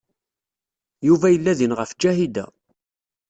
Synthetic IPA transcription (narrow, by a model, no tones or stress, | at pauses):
juvæjəlːæðinʁəfd͡ʒæhid̪æ̰